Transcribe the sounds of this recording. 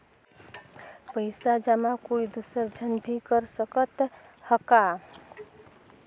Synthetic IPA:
pəɪsad͡ʒamakoid̪usəɾd͡ʒʱənbʱikəɾsəkət̪həka

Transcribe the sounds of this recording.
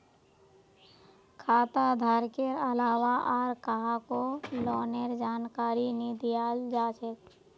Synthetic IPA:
kʰaːt̪ad̪ʱaɾkeɾəlaːwaʔaːɾkaɦakolɔːneɾd͡ʒaːnkaːɾinid̪ijad͡ʒaːt͡ʃek

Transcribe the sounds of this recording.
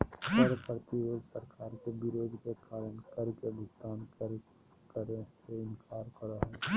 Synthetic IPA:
səɾpɾət̪iɾoːd͡ʒsəɾkaːɾkebɪɾoːd̪kekaːɾəɳkəɾkebʊɡd̪aːnkəɾ | kəɾẽseɪnkʰaːɾkəɾaɦɛː

